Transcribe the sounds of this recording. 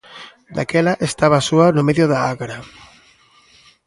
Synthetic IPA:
d̪akɛlaʔest̪aβasuanomeðjoðaaɣaɾa

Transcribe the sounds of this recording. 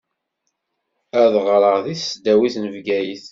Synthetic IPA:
æðʁɾˤəʁðiθsd̪æwiθnəvɡæjiθ

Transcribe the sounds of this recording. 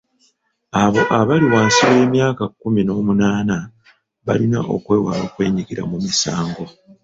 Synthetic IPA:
aβo̞ʔaβaliwaːnsiwe̞ːmjaːkakːumino̞ːmunaːna | βalina̰ʔo̰kwe̞ːwa̰ːlo̞ːkwe̞ːɲiɡiɾa̰mumisaːŋɡo̞

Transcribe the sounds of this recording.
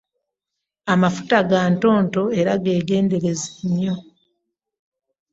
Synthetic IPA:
amafu̥taɡaːnto̞ːnto̞e̞ɾaɡe̞ːɡe̞ːnde̞ɾe̞zeɲːo̞

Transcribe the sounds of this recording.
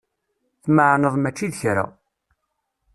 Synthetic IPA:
θməʕnəðˤmæt͡ʃːiðçɾa̰

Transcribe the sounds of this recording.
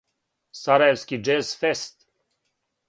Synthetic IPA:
saɾajevskʲid͡ʒɛsfɛst̪

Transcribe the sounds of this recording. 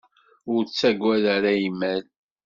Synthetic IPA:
ʊɾt͡sːæɡʷːæðaɾajimːæl

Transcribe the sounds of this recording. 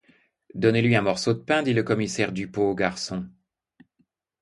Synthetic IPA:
d̪ɔnelɥiɛ̃mɔʁsod̪əpɛ̃d̪iləkɔmisɛʁd̪ypoːɡaʁsɔ̃

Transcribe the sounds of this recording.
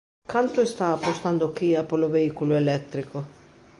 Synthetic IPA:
kant̪oest̪aːpːost̪and̪okiapoloveikoloelɛtt̪ːɾiko

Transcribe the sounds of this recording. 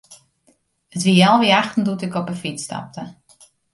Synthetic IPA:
ətʋiɛlˠʋiaxtn̩dutɪkɔpəfista̰p̚tə

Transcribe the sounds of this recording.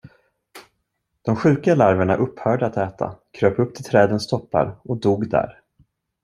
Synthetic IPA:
d̪̥ɔmɧʉ̟ːkalaɾvəɳa̰ʔɵpːhœːɖəat̪ɛːt̪ʰa̰kʰɾøːpɵpt̪ʰɪlt̪ʰɾɛːd̪ənst̪ʰɔpːa̰ɾɔd̪uːɡd̪æ̰ːɾ

